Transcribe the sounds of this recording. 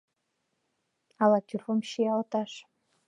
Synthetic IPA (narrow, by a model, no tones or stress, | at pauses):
alatʰʲyrfomʃijaltʰʼaʂ